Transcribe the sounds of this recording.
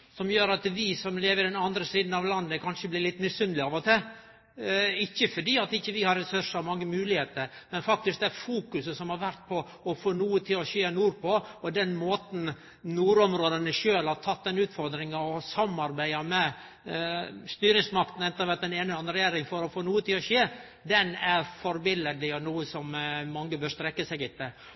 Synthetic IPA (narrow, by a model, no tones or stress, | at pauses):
sɔmjøːɾɑt̪ʋɪsɔmleːʋəɾd̪ɛnɑnd̪ɾəsiːd̪n̩ɑʋlɑnːəkʰɑnʂəblɪɾɭɪt̪ːmɪsːʏnlɪɑːʋɔt̪ʰɪl | ɪçːəfɔɖiːɑt̪ɪçːəʋɪhɑɾɛsʉʂɑmɑŋːəmʉːlɪheːt̪əɾmɛnfɑk̚t̪ɪsk̚d̪ɛæɾfuːkʉsəsɔmhɑɾʋæɾt̪̚pʰɔ | ɔfoːnuːət̪ʰɪlɔçeːnuːɾpʰɔɔd̪ɛnmoːt̪n̩ | nuːɾɔmɾoːd̪ənəʃøːlhɑɾt̪ʰɑt̪̚ːd̪ɛnʉːt̪fɔɾd̪ɾɪŋɑɔsɑmɑɾbæɪɑmɛ | st̪yːɾɪŋsmɑkt̪n̩ɛnt̪ːəɾʋæʈ̪̚d̪ɛneːnəɑnɾəɾɛjeːɾɪŋfɔɾɔfoːnuːət̪ʰɪlɔʃeː | d̪ɛnæɾfɔɾbɪləd̪ɪɔnuːəsɔmːɑŋːəbœːɾst̪ɾɛkːəsɛɡɪt̪ːə